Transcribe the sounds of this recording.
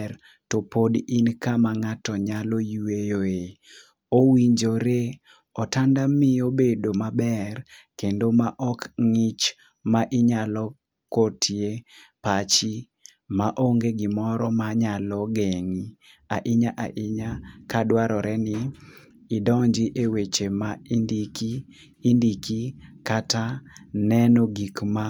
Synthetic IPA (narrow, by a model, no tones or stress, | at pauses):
ɾ | topodinkamaŋatɔɲalɔjuwejoe | owiɲd͡ʒoɾe | ɔtandamiobedomabɛrkendomaʔɔkŋɪt͡ʃ | maʔɪɲalɔ | kotʰjepat͡ʃi | maʔoŋɡeɡimɔɾɔmaɲalɔɡeŋi | aʔɪɲaʔaʔɪɲakadwaɾɔɾɛnɪː | dɔɲd͡ʒiʔewet͡ʃemaindikiː | ndikikatanɛnoɡikma